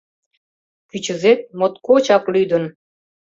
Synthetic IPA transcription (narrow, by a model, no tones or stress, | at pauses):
kyt͡ɕə̆zet̪̚mot̪kot͡ɕɑklyd̪ən